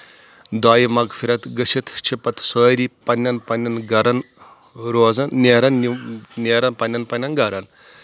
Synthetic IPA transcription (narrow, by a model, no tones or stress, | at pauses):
d̪aːjimɐɡfʰiɾɐt̪ɡɐʃʰit̪ʰt͡ʃʰipɐt̪ʰsoːɾiːpɐnʲːɐnpɐnʲːɐnɡɐɾɐn | ɾoːzɐnːeːɾɐnneːɾɐnpɐnʲːɐnpɐnʲːɐnɡɐɾɐn